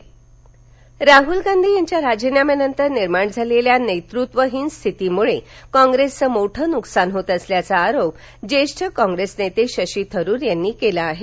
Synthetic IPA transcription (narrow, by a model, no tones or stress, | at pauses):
ɾaɦulɡãnd̪ʱiːjaɲt͡ɕjaɾad͡ʑinjamenənt̪əɾniɾmaɳd͡zʱaleljanejt̪ɾut̪ʋəɦiːnst̪ʰit̪imuɭekɔ̃ŋɡɾest͡səmoʈʰənuksanɦot̪əsljat͡saːɾop | d͡ʑeʂʈʰəkɔ̃ŋɡɾesnet̪eɕəɕiːt̪ʰəɾuːɾjanːiːkelaːɦe